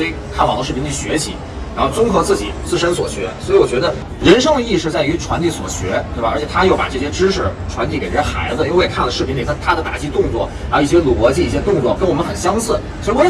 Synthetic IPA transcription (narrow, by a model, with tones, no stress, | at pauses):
i˨˩kʰa˥˩nwɑ̰˨˩ŋdə˧ʂɻ̩˥˩pʰi˧˥ŋt͡ɕʰi˥˩ɕɥɛ˧˥t͡ɕʰḭ˧˥ | a˧˥nxo˥˧ʊt͡sʊ˥ŋxɤ˧˥t͡sɹ̩˥˩t͡ɕi˨˩˦t͡sɹ̩˥˩ʂə˥nswɔ˨˩ɕɥɛ˧˥swɔ˧˥i˧˥wɔ˨˩t͡ɕɥɛ˧˥d̪ə˧ | ɻə˧˥nʂɤ˥ŋd̪ə˧i˥˧ʂɻ̩˥˧t͡sa˥˩ɪy˧˥ʈ͡ʂʰwa˧˥nt̪i˥˩swɔ̰˨˩ɕɥɛ˧˥t̪we˥˩ɐ˩ə̰˞˧˥t͡ɕʰɛ˨˩t̪ʰa˥jo˥˩ʊpa̰˨˩ʈ͡ʂɤ˥˩ɕjɛ˥ʈ͡ʂɻ̩˥ʂɻ̩˥˩ʈ͡ʂʰwa˧˥nt̪i˥˩kʈ͡ʂə˥˩ɛ˥xa˧˥ɪd͡zɹ̩ə˧jo˥˧˥e˧˩kʰa˥˩nlə˩ʂɻ̩˥pʰi˧˥ŋi˨˩t̪ʰt̪ʰa˥d̪ə˨t̪a̰˨˩t͡ɕi˥˧t̪ʊ˥˧ŋt͡swɔ̰˥˩ | a˧˩˥i˥˩ɕ̬jɛ˥lu˨˩kwɔ˧˥t͡ɕi˥˩i˥˩ɕjɛ˥t̪ʊ˥˧ŋt͡swɔ˥˩kə˥nwmə˦nxə˨˩nɕjɑ˥ŋt͡sɹ̩˥˩ | swɔ˧˥i˥˩wɔ˧˥